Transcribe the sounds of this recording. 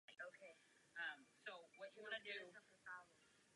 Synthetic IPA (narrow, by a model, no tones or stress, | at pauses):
ɪoʊkʰeɪ | ʌ̃msoʊwʌt͡ʃɨwɑ̃ñɨdʉʌəɑb